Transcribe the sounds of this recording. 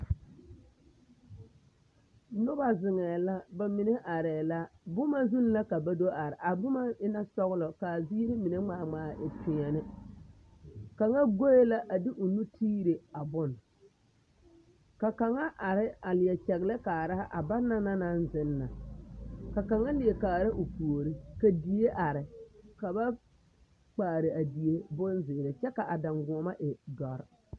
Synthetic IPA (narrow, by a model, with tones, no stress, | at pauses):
nʊ˦ba˨zɪ˨ŋɛː˨la˦ba˨mi˨ne˦ʔa˨ɾɛː˨la˦bʊ˦ma˦zu˦n˦la˦ka˨ba˦do˦a˨ɾɪ˨ʔa˨bʊ˦ma˦ɪ˦na˦sɔ˦ɣlɔ˨ka˨zi˦ɾɪ˦mi˨ne˦ŋ͡maː˦˨ŋ͡maː˨˦˨ʔɪ˨pʰɪ˨ɛ˨nɪ˦ | ka˨ŋa˦ɡo˦e˦la˦ʔa˨dɪ˦ʔʊ˨nu˦tʰiː˦ɾe˨a˨bʊ˦n | ka˨ka˨ŋa˦ʔa˨ɾɪ˦a˨lɪ˨jɛ˨t͡ʃɛ˨ɣɪ˨lɛ˦ka˨ɾa˦ha˦ʔa˨baː˦a˦na˦na˦nzɪ˦nːa˨ | ka˨ka˨ŋa˦lɪ˨e˨kaː˨ɾa˦ʔʊ˨pu˨o˨ɾɪ˦ka˨di˨e˦ʔa˨ɾɪ˨ka˨ba˦ | k͡paː˨ɾɪ˨a˨di˨e˦bʊ˦nzɪː˨ɾɪ˨t͡ʃɛ˦ka˨ʔa˨da˨ŋɡʊ˨ma˦ʔɪ˨dɔ˨ɾ